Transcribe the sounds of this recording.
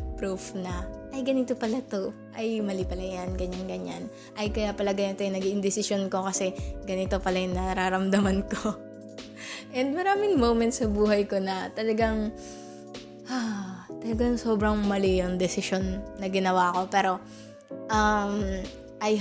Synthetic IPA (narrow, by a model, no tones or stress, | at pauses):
pɾufnɐʔɐjɡɐnit̪o̞pɐlat̪o̞ | ʔɐjmɐlipɐlajanɡɐɲaŋɡɐɲan | ʔɐjkɐjapɐlaɡɐnit̪ojʊŋnɐɡiʔɪnd̪ɪsɪsonko̞kɐsɛɡɐnɪt̪o̞pɐlajʊŋnɐɾaɾɐmd̪ɐmanko | ʔɛnd̪̚mɐɾaːmɪŋmowmɛnt̪sɐbuːɦɐjko̞nɐt̪ɐlɐɡaŋ | at̪ɐlɐɡaŋso̞ːbɾɐŋmɐlijoŋd̪ɛsɪʃo̞nːɐɡɪnɐwaːko̞pɛːɾo̞ | ʔɐm | ʔɐj